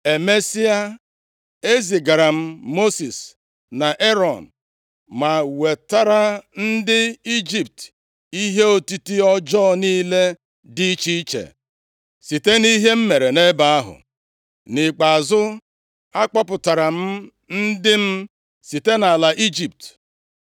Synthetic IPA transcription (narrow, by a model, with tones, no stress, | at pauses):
e˨me˦si˦a˦ | e˦zi˨ɡa˨ɾa˨m̩˦mo˦si˨s | na˨ʔe˦ɾɔ˨n̩˨ | ma˨we˨ta˦ɾa˦n̩˦dɪ˦i˦d͡ʒi˨p̚t | i˦ɦe˦o˦ti˦ti˦ɔ˦d͡ʒɔ˦niː˦le˦ | di˦t͡ʃi˦t͡ʃḛ˨ | si˨te˦ni˦ɦe˦m̩˦me˨ɾe˨ne˦ba˨a˦ɦʊ̰˨ | nɪ˨k͡pa˨a˨zʊ˦ | a˦k͡pɔ˦pʊ˨ta˨ɾa˨m̩˦ | n̩˦dɪ˦m̩˦ | si˨te˦na˨la˨ʔi˦d͡ʒi˨p̚t